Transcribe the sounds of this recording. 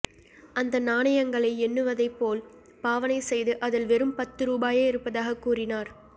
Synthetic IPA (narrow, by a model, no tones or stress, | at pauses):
ʔɐnd̪ɐnaːɳɐjɐŋɡɐɭɐɪɛnːɯʋɐðɐɪpːoːl | paːʋɐnɐɪsɛjðɯʔɐðɪlʋɛɾɯmpɐt̪ːɯɾuːbaːjeːɪɾɯpːɐðaːɣɐkːuːrɪnaːɾ